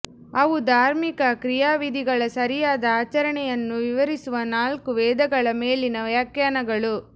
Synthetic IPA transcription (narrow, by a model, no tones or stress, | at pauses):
ɐʋud̪ʱaːɾmikɐkɾijaːʋid̪ʱiɡɐɭɐsɐɾijaːd̪ɐaːt͡ʃɐɾɐɳɛjɐnːuʋiʋɐɾisuʋɐnaːlkuʋɛːd̪ɐɡɐɭɐmeːlinɐʋjakjaːnɐɡɐɭu